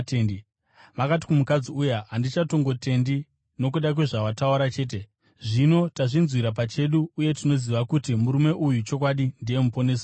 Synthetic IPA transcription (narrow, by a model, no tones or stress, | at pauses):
i | makat̬i̥kumukad͡ziujaandit͡ʃato̞ŋɡo̞te̞ndi | no̞k̬uɗak̬weʐaʋatauɾat͡ʃe̞ːt̬e | ʐino̞taʐinzwiɾap̬at͡ʃe̞ɗuːje̞tino̞ziʋakutimuɾume̞ʔujut͡ʃo̞k̬waɗindije̞mupo̞ne̞ːsa